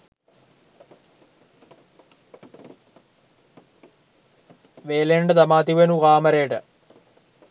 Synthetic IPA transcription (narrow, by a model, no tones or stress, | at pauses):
ʋeːleɳɖɐt̪ɐmaːt̪iʋɐnuʁaːmɐɾeːʈɨ